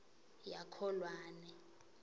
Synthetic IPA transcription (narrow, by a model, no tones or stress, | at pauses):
jakʰɔlwaːnɛ